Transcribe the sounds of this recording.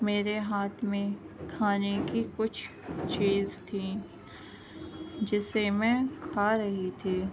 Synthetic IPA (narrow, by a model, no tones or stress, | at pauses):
meːɾeɦaːt̪ʰmẽ | kʰaːnekikʊt͡ʃʰ | t͡ʃiːzt̪ʰi | d͡ʒɪsemɛ̃ːkʰaːɾɐɦit̪ʰiː